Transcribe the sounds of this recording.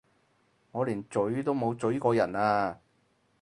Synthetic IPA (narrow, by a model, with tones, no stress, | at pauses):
ŋɔː˨˧liː˨˩nt͡sɵ˨˥ɥt̪o˥wmo˨˧wt͡sɵ˨˥ɥkɔː˧jɐ˨˩naː˧